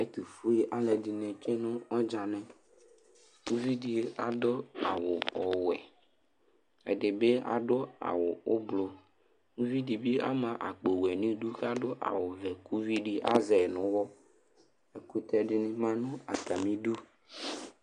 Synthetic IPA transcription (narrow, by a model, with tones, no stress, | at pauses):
e˦t̪u˨fu˦i˦ʔa˨lɛ˨di˨nɛ̃˨t͡ʃe˦nʊ̃˦ɔ˦d͡ʒa˨nɛ̃˨ | ku˦vi˦ɖi˨˦a˨do˦a̰˨wo˨ɔ˨wɛ˨ | ḛ˨ɖe˨be˦a̰˨ɖo˦a̰˨wo˨o˦blo˨ | ŋũ˦vi˦ɖi˨bi˦a̰˦mã˨ʔa˨k͡pe˨wɛ˨nĩ˦ɖu˦ka˦ɖo˦ʔa̰˨wo˨vɛ˨ku˦vi˦ɖi˦ʔa̰˦zɛ˨nʊ̃˨wɔ˦ | e˨ku˦t̪ɛ˦ɖɪ˦nĩ˦mã˦nũ˦a˨ka˨mĩ˦ɖu˦